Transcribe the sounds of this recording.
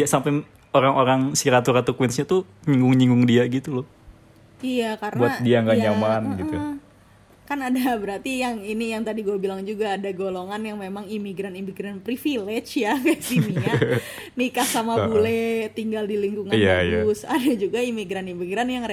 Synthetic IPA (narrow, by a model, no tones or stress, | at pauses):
diasampɛŋ | oɾaŋoɾaŋsiɾat̪uɾat̪ukwɛnsɲat̪uɲiŋɡʊŋɲiŋɡʊŋdiaɡit̪ulʊ | ijakaɾənbuaat̪̚diaŋɡaɲamanɡit̪u | kanadabəɾart̪ijaŋinijaŋt̪adiɡuabilaŋd͡ʒuɡaːdaɡoloŋanjaŋmemaŋimiɡɾanimiɡɾanpɾifilet͡ʃjakasiniɲa | nikasamabulet̪iŋɡaldiliŋkuŋanajaʊsadad͡ʒuɡaimiɡɾanimiɡɾanjaŋre